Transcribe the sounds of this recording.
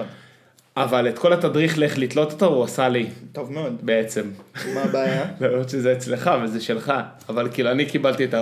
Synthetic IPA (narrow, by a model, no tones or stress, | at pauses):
avale̞t̪ko̞lat̪adʁiχleχlit̪lo̞t̪ot̪avuasalit̪ovmeod̪beet͡se̞mmabeːjalamʁot̪ʃezeːt͡sle̞χavezeʃe̞lχaː | valkiːluanikibalt̪iet̪a